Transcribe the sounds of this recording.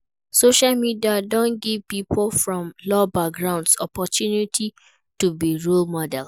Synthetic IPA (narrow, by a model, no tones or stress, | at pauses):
soʃalmidiadɔ̃nɡivpipʰolfɹɔ̃mlɔbak̚ɡɹãʊ̃ndsɔpɔtʰjunitʰi | tubiɹulmɔdɛl